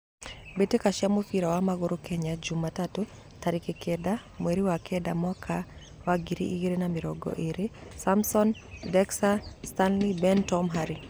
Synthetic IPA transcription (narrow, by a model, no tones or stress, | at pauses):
betekaʃamufiɾawamaɣuɾʔukɛɲad͡ʒumatatu | taɾikikʰɛda | mwɛɾiwakʰɛdamwakʰa | waɡiɾḭʔiɡiɾenamiɾɔ̰ɡɔ̰ʔeɾisamsɔndɛksastanlibɛntɔmɦaɾi